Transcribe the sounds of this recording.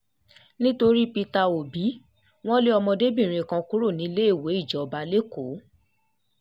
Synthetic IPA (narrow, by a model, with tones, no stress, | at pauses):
nĩ˦to˧ɾi˦pi˧ta˧o˨bi˨˦ | w̃ɔ̃˦le˦ɔ˧mɔ̃˧de˦bĩ˦˨ɾ̃ĩ˧˨kã˧ku˦ɾo˦˨nĩ˨˦le˦e˦˨we˨˦i˦˨d͡ʒɔ˨ɔ˨ba˧le˦ko˨˦